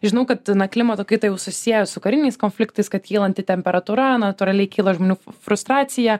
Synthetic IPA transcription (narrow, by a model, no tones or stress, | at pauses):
ʒʲɪnɐʊkɐt̪nɐklʲɪmɐt̪oːkɐɪt̪ɐjɛʊsʊsʲijɛjɛsʊkɐɾʲɪnʲɛɪskoːnʲfʲlʲɪk̚t̪ɐɪskɐt̪kʲiːlˠɐnʲt̪ʲɪt̪ʲɛmʲpʲɛɾɐt̪uːɾɐnɐt̪ʊɾɐlʲɛɪkʲiːlˠɐʒmoːnʲuːfɾʊst̪ɾɑːtsʲɪjɛ